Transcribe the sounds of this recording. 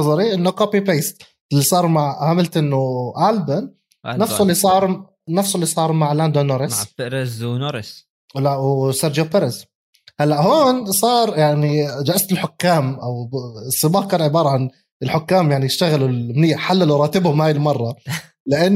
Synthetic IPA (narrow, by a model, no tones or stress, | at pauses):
ɑzˤɑɾiʔɪnːʊkopipeːst̪ | ɪlːisˤɑːɾˤmaʕʕamɪlt̪ʔɪnːʊʔaːlbɪn | nːafsʊlːisˤɑːɾˤ | nafsʊlːisˤɑːɾˤmaʕland̪onoɾɪsɾznoɾɪs | lawsaɾd͡ʒopɪɾɪs | halːaʔhoːnsˤɑːɾˤjaʕnid͡ʒaʔast̪ɪlħʊkːaːmʔawsˤːɨbɑːħkaːnʕɪbɑːɾˤɑʕan | ɪlħʊkːaːmjaʕnijɪʃt̪aɣɪlulmniːaħalːalwɾˤɑːt̪ɪbhʊmhaːjɪlmɑrˤːɑ | lɪʔanː